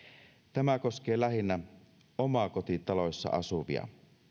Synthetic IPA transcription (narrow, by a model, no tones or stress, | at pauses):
t̪æmækosk̟eːlæɦinːæ | omɑkot̪it̪ɑlosːɑ̰ɑ̰suʋḭɑ̰